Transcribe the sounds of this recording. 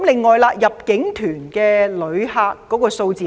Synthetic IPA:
mlɪ˨ŋːɔː˨˩jla˧jɐ˨p̚kɪ˨˥ŋt̪ʰyː˨˩nkɛː˧lɵ˨˧ɥhaː˧kːɔː˨˥kɔː˧so˧wt͡siː˨

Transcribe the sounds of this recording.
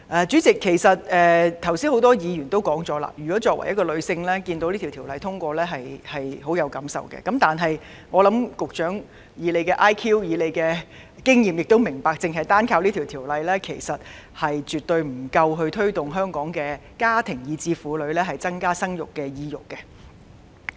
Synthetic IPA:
ʔɛː˨˧t͡ʃyː˨˥t͡sɪ˨kʰːe˨˩jsɐ˨t̚ɛː˨t̪ʰɐ˨˩wsiː˥nho˨˥wt̪ɔː˥jiː˨˧jyː˨˩nt̪o˥wkɔː˨˥ŋt͡sɔː˨˥la̰˧˩jyː˨kɔː˨˥t͡sɔː˧kwɐ̰˨˩jɐ˥t̚kɔ˧lɵ˨˧ɥsɪ˧ŋlɛː˥kiː˧nt̪o˧˥wli˥i˨wt̪ʰi˨˩wlɐ˨˧jt̪ʰʊ˥ŋkʷɔː˧lɛː˥ɦɐ˨jhɐ˨jɦo˨˥wjɐ˨˧wkɐ˨˥msɐ̰˨˩wkɛ̰˧kɐ˨˥mt̪aː˨nɦɐ˨j | ŋɔː˨˧lɐ˨˥mkʊ˨k̚t͡ʃœː˨˥ŋ | jiː˨˧le˨˧jkɛː˧ʔaː˥jkʰiː˥wjiː˨˧le˨˧jkɛː˧ | kɪ˥ŋjiː˨mjɪ˨k̚t̪o˥wmɪ˨˩ŋpaː˨k̚t͡sɪ˨ŋɦɐ˨jt̪aː˥nkʰaː˧wliː˥t̪ʰi˨˩wt̪ʰiː˨˩wlɐ˨jlɛː˥kʰe˨˩jsɐ˨t̚ | hɐ˨jt͡ʃyː˨t̪̚ɵ˧ɥm̩˨˩kɐ˧wɦɵ˧ɥt̪ʰɵ˥ɥt̪ʊ˨˩ŋɦœː˥ŋkɔː˨˥ŋkɛː˧kaː˥t̪ʰɪ˨˩ŋjiː˨˧t͡siː˧fuː˨˧lɵ˨˧ɥlɛː˥ɦɐ˨jt͡sɐ˥ŋkaː˥sɐ˥ŋjʊ˨˩kːɛː˧jiː˧jʊ˨kːɛ˧

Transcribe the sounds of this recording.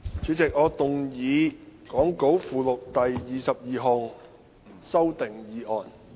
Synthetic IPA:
t͡syː˨˥t͡sɪ˨k̚ŋɔː˨˧t̪ʊ˨ŋjiː˨˧kɔː˨˥ŋko˨˥wfuː˨˩lʊ˨k̚t̪ɐ˨jːiː˨sɐ˨p̚jiː˨˧ɦɔː˨ŋ | sɐ˥wt̪ɪ˨ŋjiː˨˧ʔɔː˨˩n

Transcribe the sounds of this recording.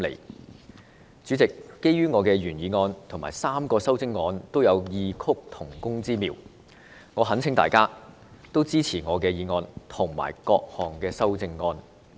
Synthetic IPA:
lḛ˨˩j | t͡syː˨˧˥t͡sɪ˨kːe˥jyː˥ŋɔː˨˧kɛː˧jyː˨˩njiː˨˧ŋɔː˧nt̪ʰʊ˨˩ŋmaː˨˩jsaː˥mkɔː˧sɐ˥wt͡sɪ˥ŋːɔː˧nt̪o˥wjɐ˨˧wjiː˨˧kʰʊ˥k̚t̪ʰʊ˨˩ŋkʊ˥ŋt͡siː˥miː˨˩w | ŋɔː˨˧ɦɐ˨˥nt͡sʰɪ˨˥ŋt̪aː˨jkaː˥ | t̪o˥wt͡siː˥t͡sʰiː˨˩ŋɔː˨˧kɛː˧jiː˨˧ŋɔː˧nt̪ʰʊ˨˩ŋma̰ː˨˩jkɔː˧k̚hɔː˨˩ŋkɛː˧sɐ˥wt͡sɪ˧ŋːɔː˧n

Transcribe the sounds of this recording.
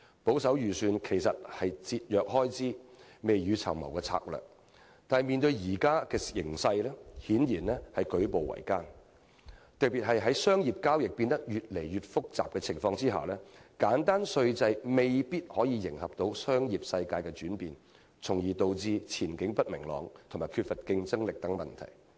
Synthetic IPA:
po˨˥wsɐ˨˥wjyː˨syː˨˧nkʰe˨˩jsɐ˨t̚hɐ˨jt͡siː˧t̚jœː˨k̚hɔː˥jt͡siː˥me˨jjyː˨˧t͡sʰɐ̰˨˩wmɐ̰˨˩wkɛː˧t͡sʰa̰ː˧k̚lœ̰ː˨k̚ | t̪aː˨n˨jmiː˨nt̪ɵ˧ɥjiː˨˩kaː˥kɛː˧jɪ˨˩ŋsɐ˧jlɛː˥hiː˨˥njiː˨˩nlɛː˥hɐ˨jkɵ˨˥po˨wɐ̰˨˩jkaː˥n | t̪ɐ˨k̚piː˨t̚hɐ˨jɦɐ˨˥jsœː˥ŋjiː˨p̚kaː˥wjɪ˨k̚piː˧nt̪ɐ˥k̚jyː˨t̚le˨˩jɥyː˨t̚fʊ˥k̚t͡sa̰ː˨p̚kɛː˧t͡sʰɪ˨˩ŋfɔː˧ŋt͡siː˥ɦa̰ː˨˩lɛː˥kaː˨˥nt̪aː˥nsɵ˧ɥt͡sɐ˧jme˨jpiː˥t̚hɔː˨˥jiː˧jɪ˨˩ŋhɐ˨p̚t̪o˧wsœː˥ŋjiː˨p̚sɐ˧jkaː˧jkɛː˧t͡ʃyː˨˥npiː˨n | t͡sʰʊ˨˩ŋjiː˨˩t̪o˨wt͡siː˧t͡sʰiː˨˩nkɪ˨˥ŋpɐ˥t̚mɪ˨˩ŋlɔ̰ː˨ŋt̪ʰmaː˨˩jkʰyː˧t̚fɐ˨t̚kɪ˧ŋt͡sɐ˥ŋlɪ˨k̚t̪ɐ˨˥ŋmɐ̰˨nt̪ʰɐ̰˨˩j

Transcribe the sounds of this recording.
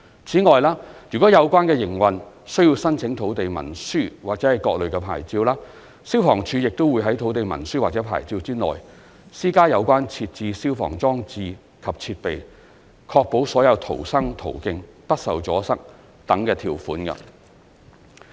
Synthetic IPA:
t͡sʰiː˨˥ŋɔː˨jlaː˥jy˨˩kɔː˨˥jɐ˨˧wkʷaː˥nkɛː˧jɪ˨˩ŋwɐ˨n | sɵ˥ɥjiː˧wsɐ˥nt͡sʰɪ˨˥ŋt̪ʰo˨˥wt̪e˨jmɐ̰˨˩nsyː˥waː˨k̚t͡sɛː˨˥hɐ˨jkɔː˧k̚lɵ˨ɥkɛː˧pʰa̰ː˨˩jt͡siː˧wlaː˥ | siː˥wfɔː˨˩ŋt͡ʃʰyː˧jɪ˨k̚t̪o˥wuː˨˧jɦɐ˨˥jt̪ʰo˨˥wt̪e˨jmɐ̰˨˩nsyː˥waː˨˩t͡sɛː˨˥pʰa̰ː˨˩jt͡siː˧wt͡siː˥nɔ̰ː˨j | siː˥kaː˥jɐ˨˧wkʷaː˥nt͡sʰiː˧t̚t͡siː˧siː˥wfɔ̰ː˨˩ŋt͡sɔː˥ŋt͡siː˧ | kʰɐ˨p̚t͡sʰiː˧t̚pe˨j | kʰɔː˧k̚po˨˥wsɔː˨˥jɐ˨˧wt̪ʰo̰˨˩wsɐ˥ŋt̪ʰo˨˩wkɪ˧ŋp̪ɐ˥k̚sɐ˨wt͡sɔː˨˥sɐ˥k̚ | t̪ɐ˨˥ŋkɛː˧t̪ʰiː˨˩wfuː˨˥nkɐ̰˧

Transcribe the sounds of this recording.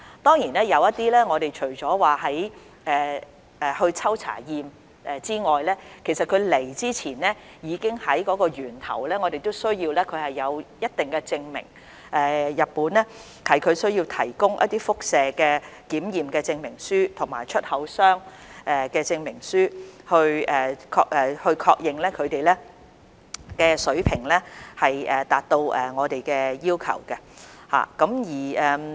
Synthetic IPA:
t̪ɔː˥ŋjiː˨˩nɛː˥jɐ˨˧wjɐ˥t̪̚iː˥lɛː˥ŋɔː˨˧ɾe˨jt͡ʃʰɵ˨˩ɥt͡sɔː˨˥waː˨hɐ˨˥j | ɛː˨ | ɛː˨˩hɵ˧ɥt͡sʰɐ˥wt͡sʰa̰ː˨˩jiː˨m | ɛː˨t͡siː˥ŋɔː˨jlɛː˥kʰe˨˩jsɐ˨t̚kʰɵ˨˧ɥle˨˩jt͡siː˥t͡sʰiː˨˩nlɛː˥ | jiː˨˧kɪ˥ŋhɐ˨˥jkɔː˨˧˥kɔː˧ɥyː˨˩nt̪ʰɐ̰˨˩wlɛː˥ŋɔː˨˧d̪e˨jt̪o˥wsɵ˥ɥjiː˧wlɛː˥kʰɵ˨˧ɥhɐ˨jːɐ˨˧wjɐ˥t̚t̪ɪ˨ŋkɛː˧t͡sɪ˧ŋmɪ̰˨˩ŋ | ʔɛː˨˩jɐ˨t̚pːuː˨˥nlɛː˥ | hɐ˨˩jkʰɵ˨˧ɥsɵ˥ɥji˧wt̪ʰɐ˨˩jkʊ˥ŋʔɐ̰˥t̪̚ːiː˥fʊ˥k̚sɛː˨kɛː˧kiː˨˥mjiː˨mkɛː˧t͡sɪ˧ŋmɪ˨˩ŋsyː˥t̪ʰʊ˨˩ŋmaː˨˩jt͡ʃʰɵ˥t̚hɐ˨˥wsœː˥ŋ | ʔɛː˨˩kɛː˧t͡sɪ˧ŋmɪ˨˩ŋsyː˥hɵ˧ɥɛː˨˩kʰɔː˧ɛː˨hɵ˧ɥkʰɔː˧k̚jɪ˨ŋlɛː˥kʰɵ˨˧ɥt̪e˨jlɛː˥ | kɛː˧sɵ˨˥ɥpʰɪ˨˩ŋlɛː˥hɐ˨jɛː˨˩t̪aː˨t̚t̪o˧wʔɛː˨˩ŋɔː˨˧t̪e˨jkɛː˧jiː˥wkʰɐ̰˨˩wkɛ˧ | ha̰ː˨kɐ˨˥mjiː˨˩ɛː˨

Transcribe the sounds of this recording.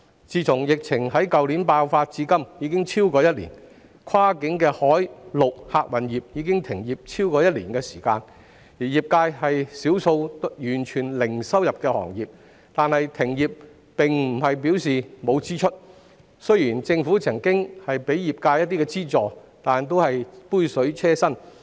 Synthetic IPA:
t͡siː˧t͡sʰʊ˨˩ŋjɪ˨k̚t͡sʰɪ˨˩ŋɦɐ˨˥jkɐ˨wli˨˥npaː˧wfaː˧t̚t͡siː˧˥kɐ˥mjiː˨˧kɪ˥ŋt͡sʰiː˥wkɔː˧jɐ˥t̚lḭ˨˩n | kʰaː˥kɪ˨˧˥ŋkɛː˧hɔː˨˥jlʊ˨k̚haː˨˧k̚wɐ˨njiː˨p̚jiː˨˧kɪ˥ŋt̪ʰɪ˨˩ŋjiː˨˩p̚t͡sʰiː˥wkɔː˧jɐ˥t̚lḭː˨˩nkɛ˧si̥ː˨˩kaː˧n | jiː˨˩jiː˨p̚kaː˧jhɐ˨jsiː˨˥wso˧wtjyː˨˩nt͡ʃʰyː˨˩nlɪ˨˩ŋsɐ˥wjɐ˨p̚kɛː˧hɔ̰ː˨˩ŋjiː˨p̚ | t̪aː˨˧nhɐ˨jt̪ʰɪ˨˩ŋjiː˨p̚ | pɪ˨ŋm̩˨˩hɐ˨jp̬i˨˥wsiː˨mo˨˧wt͡siː˥t͡ʃʰɵ˥t̚ | sɵ˥ɥjiː˨˩nt͡sɪ˧ŋfuː˨˥t͡sʰɐ˨˩ŋkɪ˥ŋhɐ˨jpe˨˥jjiː˨p̚kaː˧jɐ˥t̚t̪i˥kɛː˧t͡siː˥t͡sɔː˨t̪aː˨˩nt̪̬o˥whɐ˨jpuː˥jsɵ˨˥ɥt͡sʰɛː˥sɐ˥n

